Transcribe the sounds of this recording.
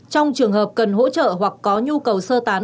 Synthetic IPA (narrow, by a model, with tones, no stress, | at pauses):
t͡ɕɔ˧wŋ͡mt͡ɕɨ˨˩əŋɦəː˨˩p̚kə˨˩nɦo̰˧˥t͡ɕə̰ː˧˨hwa˨˩kːɔ˨˦ɲu˧kə˨˩wsəː˧t̪aː˨˦n